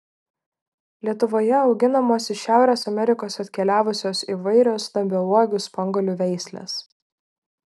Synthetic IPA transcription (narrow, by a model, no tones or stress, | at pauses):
lʲiɛt̪ʊʋoːjɛɒʊɡʲɪnɐmoːsʲɪʃʲæˑʊɾʲeːsɐmʲɛɾʲɪkoːsɐt̪ʲkʲɛlʲæːʋʊsʲoːsiːʋɐɪɾʲoːst̪ɐmʲbʲɪɔlˠɔːɡʲʊːspɐŋɡɔlʲuːʋʲɛɪsʲlʲḛːs